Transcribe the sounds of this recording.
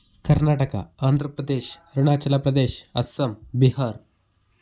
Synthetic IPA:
kɐɾnaʈəka̰aːnd̪ʱɾəpɾɐd̪eːɕɾuɳat͡ɕɐlapɾɐd̪eɕɐsəmbiɦaɾ

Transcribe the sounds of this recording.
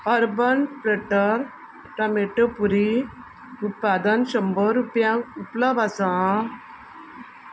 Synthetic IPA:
əɾbənpɾeʈəɾ | ʈameʈəpuɾi | ut̪̚pad̪anɕəmbəɾupjãupləbasã

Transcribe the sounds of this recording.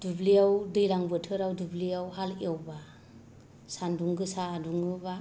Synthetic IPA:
d̥ublijawdɯjlaŋbɯtʰɯɾawdubliawhalewba | sanduŋɡɯsaːduŋɯba

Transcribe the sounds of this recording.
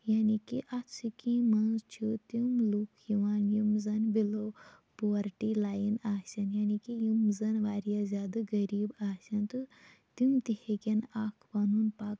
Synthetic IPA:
jaːnikiʔat͡sʰɨkĩmɐnzt͡ʃʰut̪umlukʰjiʋaːnjumzɐnbilo | poʋɐɾʈilaːjinaːsʲɐnjaːnikijumzɐnʋaːɾijazʲaːd̪ɨɡɐɾiːbaːsɐnt̪ɨ | t̪umd̪iheɡʲenaːkʰpaːnunpaːk

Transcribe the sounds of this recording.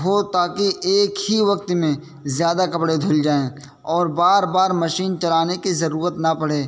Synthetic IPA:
ɦot̪aːkiʔeːkɦiʋɐk̚t̪mẽ | zjaːd̪akɐpɽed̪ʱʊld͡ʒaːẽː | ɔːɾbaːɾbaːɾmɐʃiːnt͡ʃɐlaːnekizɐɾuːɾət̪nɐpɐɽ̤eː

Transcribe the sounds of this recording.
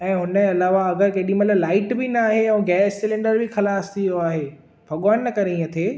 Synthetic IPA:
ɛ̃ːɦʊnə̃ɐlaːʋaɐɡəɾkɐɗĩmɐt̪lɐblaːɪʈbɪnaːɦeɛ̃ːɡɛːssɪlẽːɳɖəɾbɪxɐlaːst̪ʰijoaːɦeː | bʱɐɠaːnːɐkɐɾẽɐt̪ʰeː

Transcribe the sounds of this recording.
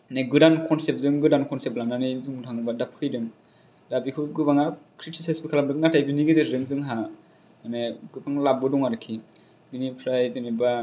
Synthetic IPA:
neɡɯdankʰɔnsep̚zɯŋɡɯdankʰɔnseplananizuŋdʰaŋbadapʰkʰɯjdɯŋ | dabikʰɯɡɯbaŋakʰɾitʰisesbikʰalabɾɯk̚natajbiniɡɯzeɾɯŋzɯŋɦa | aneɡɯbaŋlab̚ɯdɔŋaɾɯkʰi | binipʰɾajzɯniba

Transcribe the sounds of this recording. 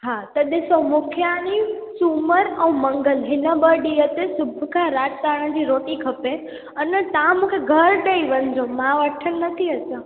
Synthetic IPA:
ɦat̪əɗ̪esəmʊkʰjanisuməɾə̃ũmə̃ŋɡəlɦɪnãbəɖiət̪esʊbʱkʰaɾad͡ʒk̪aɽ̃ãd͡ʒ̪iɾoʈ̪ikʰəpe | ənet̪ãmũkʰeɡʱəɾɖəiʋənd͡ʒõmãʋəʈʰːənːət̪ʰiətã

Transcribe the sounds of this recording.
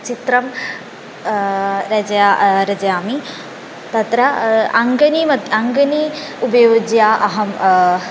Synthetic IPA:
t͡ʃit̪ɾɐm | ɾɐd͡ʒjaːɾɐd͡ʒɐjaːmi | t̪ɐt̪ɾɐɐŋɡɐnimɐt̪ɐŋɡɐniubɐjud͡ʒjaːʔɐɦɐm

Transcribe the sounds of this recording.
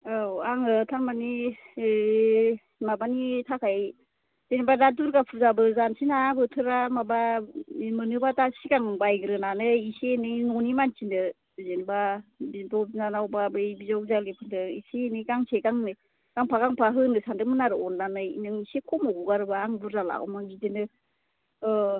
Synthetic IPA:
awaŋɯtʰaɾmani | mabanitʰakʰaj | zenbadaduɾɡapʰuzabɯzansinabɯtʰɯɾamaba | mɯnɯbatasikaŋbajɡɾɯnanɯisenɯjnɔnimant͡ʃindɯ | zenbabidɔnanawbabɯjbizawk̚zalepʰɯndɯisenɯjɡaŋsʰekaŋnɯ | ɡ̥aŋpʰaɡaŋpʰaɦɯnɯsandɯmɯnaɾɯɔndanɯjnɯŋisekʰɔmɔɡuɡaɾɯbaːŋbuɾzala̰w̰mabidenɯ

